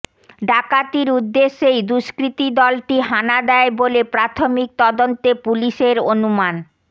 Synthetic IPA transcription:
ɖakat̪iɾud̪ːeʃːejd̪uʃkɾit̪id̪ɔlʈiɦanad̪ɛebolepɾat̪ʰomik̚t̪ɔd̪ont̪epuliʃeɾonuman

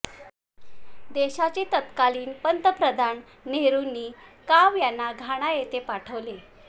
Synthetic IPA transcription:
d̪eɕat͡set̪ət̪kaliːnpənt̪əpɾəd̪ʱanː | eɾunːiːkaʋjanːaɡʱaɽ̃ajet̪epaʈʰəʋle

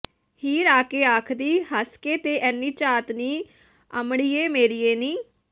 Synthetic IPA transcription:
hiːɾaːkeːaːkʰd̪iːɦaːskeːt̪eːʔɛːnːiːt͡ʃaːt̪niː | ə̰mɽiːeːmeːɾiːeːniː

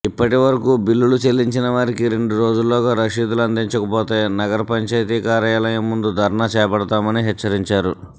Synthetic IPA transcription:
ipːɐʈiʋɐɾɐkuːbilːulut͡ʃelːiɲt͡ʃinɐʋaːɾikiɾe̞ɳɖuɾo̞ːd͡ʒulːɔːɡaːɾɐʂiːd̪uluɐnd̪iɲt͡ʃɐkɐpoːt̪e̞ːnɐɡɐɾɐpɐɲt͡ʃɐjt̪iːkaːɾɐjaːlɐjɐmːund̪ud̪ʱɐɾɐɳat͡ʃɛːjɐpɐɽɐt̪aːmɐniɦɛːɐɾiɲt͡ʃaːɾu

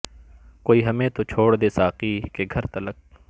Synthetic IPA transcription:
koːiːɦɐmẽt̪ot͡ʃʰoːɽd̪eːsaːqiːkeɡʱɐɾt̪ɐlək̚

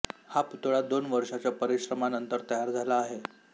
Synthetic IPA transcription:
haput̪ɭad̪onʋəɾʂat͡ɕjapəɾiɕɾəmanənt̪əɾt̪əjaɾd͡zʱalaːɦe

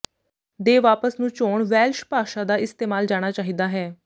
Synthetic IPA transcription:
d̪eːʋaːpəsnũːt͡ʃoːɳʋɛːlʃpaːʃaːd̪aːɪst̪eːmaːld͡ʒaːɽ̃aːt͡ʃaːɦiːd̪aːɦɛː

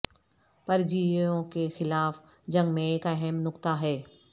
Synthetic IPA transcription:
pɐɾd͡ʑiõkexɪlaːf | d͡ʑɐ̃ŋɡmẽekɐɦɛmnʊkt̪aɦɛː

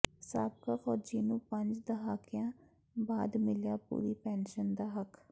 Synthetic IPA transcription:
saːb̚kaːxɔːd͡ʒiːnũːpəɲd͡ʒd̪əɦaːkɪjãː | baːd̪mɪljaːpṵːɾiːpɛːnʃənd̪aːɦək

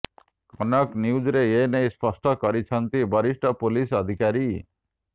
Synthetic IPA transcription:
ɔnɔknjud͡ʒɾejenejspɔsʈɔkɔɾit͡ʃʰʌnt̪ibʱʌɾisʈɔpolisɔd̪ʱikaɾi

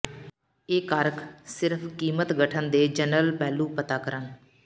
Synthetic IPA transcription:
eːkaːɾksɪɾpʰkiːmət̪ɡəʈʰənd̪eːd͡ʒənəlpɛːlũːpət̪aːkəɾən

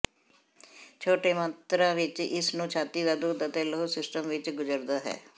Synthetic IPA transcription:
t͡ʃʰoːʈeːmãt̪ɾãːʋɪt͡ʃɪsnũːt͡ʃʰaːt̪iːd̪aːd̪uːd̪ət̪eːloosɪsʈəmʋɪt͡ʃɡʊd͡ʒəɾd̪aːɦɛ̰ː

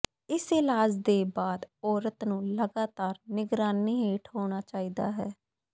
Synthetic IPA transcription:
ɪsɪlaːd͡ʒd̪eːbaːd̪ɔːɾət̪nũːləɡaːt̪aːɾnɪɡɾaːniːɦeːʈʰɦoːɽ̃aːt͡ʃaːiːd̪a̰ːɦɛː

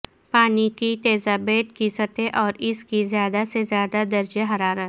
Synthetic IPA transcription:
paːnikit̪eːzabeːt̪kisət̪eʔɔːɾɪskizjaːd̪asezjaːd̪ad̪ɐɾd͡ʒeɦɐɾaːɾət̪

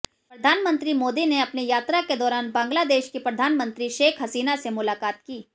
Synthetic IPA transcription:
pɾɐd̪ʱaːnmə̃nt̪ɾimoːd̪ineɐpnijaːt̪ɾaked̪ɔːɾaːnbãːŋɡlad̪eːʃkipɾɐd̪ʱaːnmə̃nt̪ɾiʃeːkʰɦɐsiːnasemʊlaːkaːt̪kiː

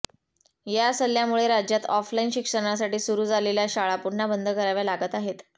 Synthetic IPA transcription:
jasəlːjamuɭeɾad͡ʑjat̪ɔflainɕikʂəɽ̃as̬aʈiːsuɾuːd͡zaleljaɕaɭapuɽɳabənd̪ʱəkəɾaʋjalaɡət̪aɦet̪

